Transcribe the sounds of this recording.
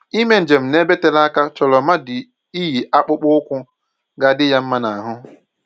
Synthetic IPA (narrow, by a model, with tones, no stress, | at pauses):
i˦me˦n̩˨d͡ʒe˨m̩˨ne˦be˦te˦la˦ka˦t͡ʃɔ˨lɔ˨ma˦dɪ˨ | i˦ɦi˨ʔa˦k͡pʊ˦k͡pʊ˦ʊ˦kʷʊ˦ | ɡa˦dɪ˦ja˦m̩˦ma˦na˨a˨ɦʊ˦